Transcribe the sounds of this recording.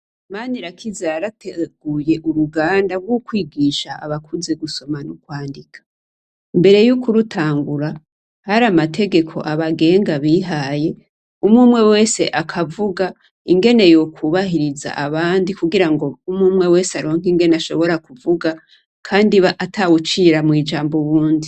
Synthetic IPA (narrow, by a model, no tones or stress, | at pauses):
maːniɾakʰizaaɾatʰeɡ̥uje̞ʔuɾuɡaːndabɡwukwiːɡiːʃaa̰βakʰuze̞ɡuso̞manukwaːndikʰḁ | imbe̞ɾe̞jukuɾutʰaːŋɡuɾa | haɾamatʰe̞ɡe̞kʰo̞̰ʔaβaɡe̞ːŋɡaβiːɦaje̞ | umŋuːmŋe̞we̞ːse̞ʔakʰavuɡa | iŋɡe̞ne̞jokʰuβahiɾiza̰ʔaβaːndikuɡiɾaŋɡo̞umŋuːmŋe̞we̞ːseaɾoŋ̥iŋɡe̞naʃo̞̰βo̞ɾakuvuɡa | kʰaːndiβaʔatʰawut͡ʃiɾamŋiːd͡ʒaːmboβuːndi